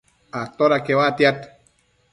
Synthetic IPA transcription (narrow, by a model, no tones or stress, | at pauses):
at̪oɾakewat̪jat̪